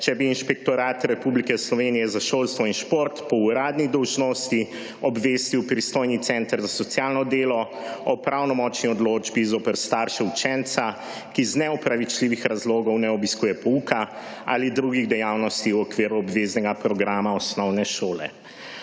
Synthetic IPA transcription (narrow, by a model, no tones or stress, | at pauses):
t͡ʃɛbiːnʃpɛk̚t̪ɔɾaːt̪ɾɛpublikɛslɔʋenijɛzaʃoːlst̪ʋɔinʃpoːɾt̪pɔuɾaːd̪nid̪ɔwʒnɔst̪i | ɔbʋest̪iwpɾist̪oːjnit̪sɛnt̪ɾzasɔt̪sjaːlnɔd̪eːlɔ | ɔpɾʔawnɔmɔːt͡ʃniɔd̪loːd͡ʒbizoːpəɾst̪aɾʃɛut͡ʃɛnt̪sa | kiznɛɔpɾaʋit͡ʃliʋixɾazloːɡɔwnɛɔbiskuːjɛpɔuka | a̰lid̪ɾuɡiɣd̪ɛjawnɔst̪iwɔkʋeːɾuɔbʋeznɛɡapɾɔɡɾaːmaɔsnɔwnɛʃoːlɛ̰